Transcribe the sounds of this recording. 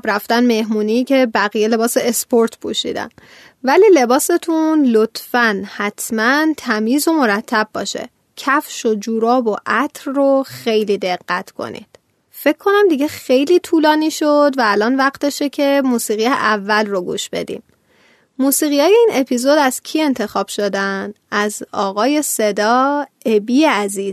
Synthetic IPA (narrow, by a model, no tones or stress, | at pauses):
bɾæft̪ænme̞hmuːniːcʰe̞bæɣijele̞bɒːseespoɾt̪ʰpʰuʃḭːd̪æ̰n | væliːle̞bɒːse̞t̪ʰunlot̪ʰfænhæt̪ʰmænt̪ʰæmiːzomo̞ɾæt̪ʰːæbːɒ̰ːʃḛ | cʰæfʃo̞d͡ʒuːɾɒːboʔæt̪ʰɾroxejliːd̪e̞ɣːæt̪ʰkʰo̰nḭd̪̥ | fe̞ckʰːo̞næmd̪iɟe̞xejliːt̪ʰuːlɒːniːʃod̪væːlɒːnvæqt̪eʃecʰe̞muːsiːɣijḛʔævːælroɡṵːʃb̥e̞̰d̪ḭːm | muːsiːɣijhɒːje̞iːnʔe̞pʰizod̪æz̥cʰie̞nt̪ʰe̞xɒːb̥ʃod̪æn | æzɒːɣɒːje̞se̞d̪ɒːe̞biːjeæziːz